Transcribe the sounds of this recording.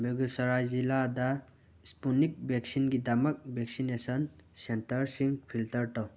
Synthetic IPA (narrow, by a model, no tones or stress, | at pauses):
beɡusɐɾajzilada | spunik̚bek̚sinɡidamɐk̚bʱek̚sinesɔnsentɐɾsiŋpʰiltɐɾʈɔw